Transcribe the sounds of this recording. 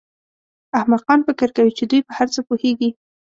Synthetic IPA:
ahmaqɑnfɪkɪɾkawit͡ʃed̪ujpəhaɾt͡səpuheɡi

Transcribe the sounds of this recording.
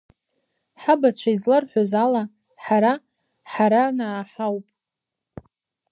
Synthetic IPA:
ħabat͡ɕʷʰaizlərħʷozala | ħaɾa | ħaɾanaːħawpʼ

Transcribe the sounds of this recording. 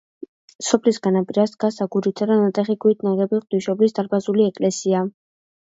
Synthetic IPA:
sɔpʰlisɡanapʼiɾasd̪̚ɡasaɡuɾit̪sʰad̪anat̪sʼɛχiɡuit̪̚ʰʼnaʁɛbiqʼd̪iʃɔblisd̪aɾbazuliɛkʼlɛsia

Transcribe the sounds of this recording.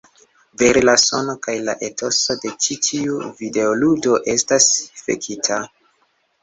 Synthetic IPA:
ve̞ɾelaso̞no̞kajla̰ʔe̞tʰo̞so̞de̞t͡ʃitʰiuvide̞oludo̞ʔe̞stasfḛkʰitʰa

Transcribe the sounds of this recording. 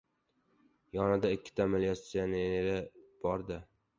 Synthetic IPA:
jɒnɪd̪aɪkʲːɪ̥t̪ʰaːmalijat̪sijaneeɾɪb̥ɒɾd̪ɪ

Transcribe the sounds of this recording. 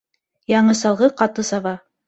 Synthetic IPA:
jɑɴɤsɑlˠʁɤqɑt̪ɤsɑβɑ

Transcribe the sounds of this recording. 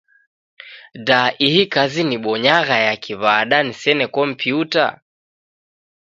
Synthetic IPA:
daʔihikaziniɓɔɲaɣajakʰiβaɗanisɛnɛkɔm̩piuta̰

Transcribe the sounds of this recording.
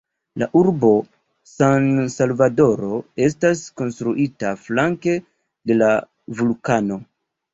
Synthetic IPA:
laʔuɾbo̞ | sansalvado̞ɾo̞e̞s̬tasko̞nstɾuʔitaflaŋke̞ | de̞la | vulkano̞

